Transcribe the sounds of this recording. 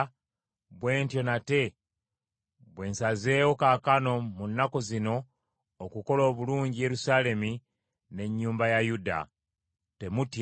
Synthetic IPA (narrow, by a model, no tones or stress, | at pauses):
βwe̞ːntjo̞nate̞ | βwe̞ːnsaze̞ːwo̞kakano̞munːako̞zino̞ː | kuko̞lo̞ːβuluːɲɟije̞ɾusaːle̞mi | ne̞ɲːuːmbajajuda̰ | te̞mut